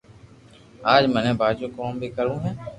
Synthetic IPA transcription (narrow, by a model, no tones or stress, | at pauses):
aːd͡ʒmɛnẽːbʱaːd͡ʒoːkoːmbʱiːkəɾũːɦɛ̃ː